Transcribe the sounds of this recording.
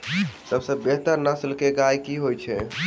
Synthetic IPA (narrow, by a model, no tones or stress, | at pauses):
səbsəbːeɦt̪əɾnəsəlkeɡajkiɦojt͡ʃʰɛ̰